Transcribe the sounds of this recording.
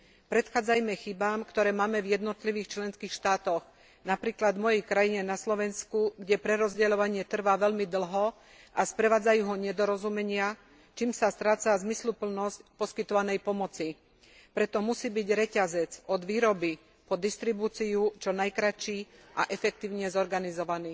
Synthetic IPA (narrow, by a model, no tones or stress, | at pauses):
pɾɛt̪xaːd͡zajmɛxibaːmkt̪ɔɾɛːmaːmɛvjɛd̪nɔt̪liʋiːxt͡ʃlɛnskiːxʃt̪aːt̪ɔɣ | napɾiːklad̪mɔjɛjkɾajiɲɛnaslɔʋɛnskuɡɟɛpɾɛɾɔzɟɛlɔʋaɲɪɛt̪r̩ʋaʋɛʎmid̪l̩ˠɦɔ | ʔaspɾɛʋaːd͡zajuːɦɔɲɛd̪ɔɾɔzumɛɲɪa | t͡ʃiːmsast̪ɾaːt͡sazmislupl̩nɔscpɔskit̪ɔʋanɛjpɔmɔt͡si | pɾɛt̪ɔmusiːbiɟɾɛcazɛt͡sɔd̪ʋiːɾɔbi | pɔd̪ist̪ɾibuːt͡siut͡ʃɔnajkɾat͡ʃiːʔa̰ʔɛfɛk̚t̪iːʊɲɛzɔɾɡanizɔʋaniː